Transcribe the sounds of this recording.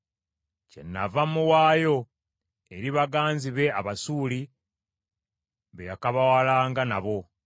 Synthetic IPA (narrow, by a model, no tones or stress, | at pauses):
ce̞̰nːa̰vamːuwaːjo̞ | eɾiβaɡaːnziβe̞aβasuːli | βejakaβawalaːŋɡanaβo̞